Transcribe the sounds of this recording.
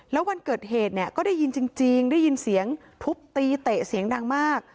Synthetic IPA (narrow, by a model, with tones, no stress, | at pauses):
lɛː˦˥wa˧nkɤː˨˩t̪̚ɦeː˨˩t̪̚ni˥˩ɐkɔː˥˩daː˥˩ji˧nt͡ɕi˧ŋt͡ɕi˧ŋda˥˩ji˧nsi˩˦əŋ | t̪ʰu˦˥p̚t̪iː˧t̪e˨˩si˨˩˦əŋda˧ŋmaː˥˩k̚